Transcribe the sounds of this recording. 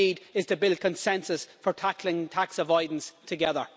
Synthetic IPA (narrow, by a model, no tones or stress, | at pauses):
iːdɪz̥tʰəbɪlˠd̚kʰə̃nsɛ̃nsəsfə˞tʰaklɪ̃ŋtʰaksəvɔɪdⁿn̩stʰəɡɛðə̰˞